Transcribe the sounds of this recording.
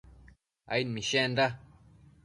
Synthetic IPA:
a̰jnmĩʃẽnda

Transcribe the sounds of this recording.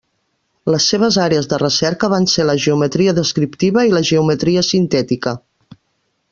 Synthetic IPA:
ləsːeβ̞əzaɾeəzðərəsɛɾkəβ̞anseləʒəumət̪ɾiəðəskɾipt̪iβəiləʒəumət̪ɾiəsint̪ɛt̪ikə

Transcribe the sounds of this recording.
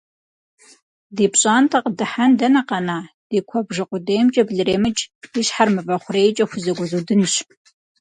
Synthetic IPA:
deːpɕʼaːntʰɐqədɨħandɐnɐqɐnaː | d̥eːkʷʰɔbʒɨqʷʊdeːjmt͡ʃʼɐbɮɨreːmɨt͡ʃʼiɕħarmɨvɐχʷʊreːjt͡ʃʼɐxʷʊzɐɡʷʊzudɨnɕ

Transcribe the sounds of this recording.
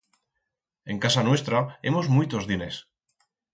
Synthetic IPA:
e̞ŋkasanwe̞st̪ɾae̞̰mo̞zmujt̪ozðine̞s

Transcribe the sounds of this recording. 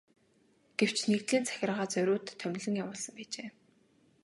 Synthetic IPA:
ɡ̥ew̥t͡ɕʰnekt̪ɮiːnt͡sʰæ̥xʲɪ̆rʁaːt͡sœɾʲʊːt̪ʰːœm̆ʲɮɘ̆ŋjawʊːɮsə̆mpæːt͡ɕeː

